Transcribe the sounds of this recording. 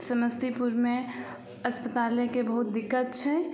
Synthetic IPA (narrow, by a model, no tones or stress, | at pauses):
səməst̪ʰipuɾme | əspət̪alẽkebəɦut̪̚d̪ɪkːət̪̚t͡ʃʰɛ